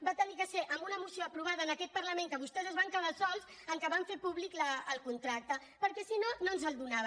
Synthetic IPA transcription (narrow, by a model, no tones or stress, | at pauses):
bat̪ənikəseʔəmbunəmusioəpɾuβ̞aðəːnəkɛt̪̚pəɾləmẽŋkəβust̪ɛzəzβaŋkəðasɔlˠz | əŋkəβaɱfeɾpuβlikləːlˠkunt̪ɾak̚t̪ə | pəɾkɛsinonoənzəlˠd̪unaβ